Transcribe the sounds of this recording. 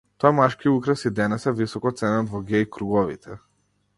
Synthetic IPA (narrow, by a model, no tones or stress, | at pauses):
t̪ɔjamaʃkiukɾɛsid̪ɛnɛsɛvisɔkɔt̪sɛnad̪vɔɡʲɛjkɾuɡɔvḭt̪ʰɛ